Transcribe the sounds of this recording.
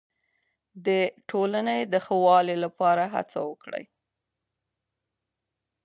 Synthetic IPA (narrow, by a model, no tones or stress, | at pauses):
d̪əʈʰolaned̪əxəwɑlelapɑɾaɦa̰t͡sa̰wəkɽə̰j